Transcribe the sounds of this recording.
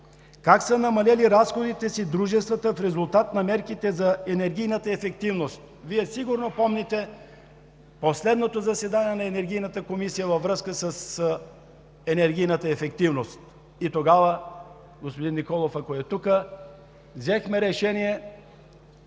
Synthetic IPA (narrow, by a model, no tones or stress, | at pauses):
kaksənɐmɐlɛliɾasxod̪it̪ɛsid̪ɾuʒɛst̪vət̪əfɾɛzulˠt̪at̪nɐmɛɾkit̪ɛzɐɛnɛɾɡʲijnət̪əɛfɛk̚t̪ivnost̪̚ | viɛsiɡuɾnopɔmnɛt̪ɛ | poslɛd̪not̪ozɐsɛd̪aniɛnɐɛnɛɾɡ̟ʲijnət̪əkomisijəvɐvɾəskəsəs | ɛnɛɾɡʲijnət̪əɛfɛkt̪ivnost̪ | it̪oɡavə | ɡospod̪inːikɔlˠofɐkoɛt̪ukə | vzɛxmɛɾɛʃɛnijɛ